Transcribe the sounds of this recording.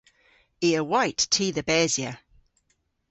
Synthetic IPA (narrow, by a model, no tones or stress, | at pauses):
iəwaɪtʰːiːðəbɛːzjə